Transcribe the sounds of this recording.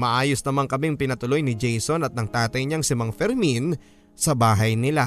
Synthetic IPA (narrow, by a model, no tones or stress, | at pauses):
mɐʔaːjosnɐmaŋkɐmiŋpɪnɐt̪ʊlo̞jnɪd͡ʒɛjsonɐt̪̚nɐŋt̪aːt̪ɐjɲaŋsɪmɐŋfɛɾmin | sɐbaːɦɐjnɪla